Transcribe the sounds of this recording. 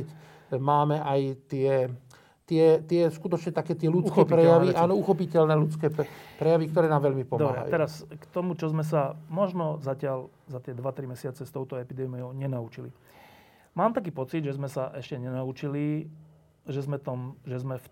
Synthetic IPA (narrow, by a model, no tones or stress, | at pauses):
maːmɛʔajt̪ɪɛ | t̪ɪɛt̪ɪɛskut̪ɔt͡ʃɲɛt̪akɛːt̪ɪɛlut͡skxɛːpiɾɛjjaʋiʔaːnɔuxɔpicɛlnɛːlut͡skɛːpɾɛjaʋik̚t̪ɔɾɛːnaːmʋɛʎmipɔmd̪ɔabɾɦa̰jṵɛɾaskt̪ɔmut͡ʃɔzmɛs̬amɔʒnɔzacɪal | zat̪ɪɛd̪ʋat̪ɾimɛsɪat͡sɛst̪ɔʊt̪ɔɛpid̪ɛːmiɔʊɲɛnaut͡ʃili | maːmt̪ak̬iːpɔt͡sid̪ʒɛzmɛsaʔɛʃcɛɲɛnaut͡ʃili | ʒɛzmɛt̪ɔmʒɛzmɛf